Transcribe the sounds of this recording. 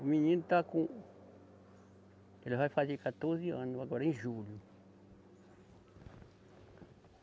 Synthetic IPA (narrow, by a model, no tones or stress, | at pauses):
umĩɲĩnt̪akũ | elavaifazekat̪oɾziãnuβaɡaɾaĩʒulju